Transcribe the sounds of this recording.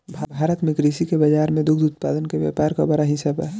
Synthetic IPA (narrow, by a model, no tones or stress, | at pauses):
bʱbʱaːɾət̪mẽkɾisikebəd͡ʒaːɾmẽd̪ʊkʰd̪ut̪̚pad̪ənkeʋja̰ːpaɾkabəɾaɦɪsabɦɛ